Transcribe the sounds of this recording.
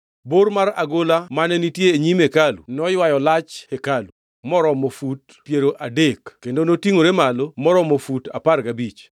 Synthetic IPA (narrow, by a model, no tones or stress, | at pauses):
boɾmaɾaɡolamanɛnitjeːɲimekalṵnɔjwajɔlat͡ʃhekalu | mɔɾɔmofut | pjeɾoʔadekkendonotiŋoɾemalomɔɾɔmofuta̰parɡabit͡ʃ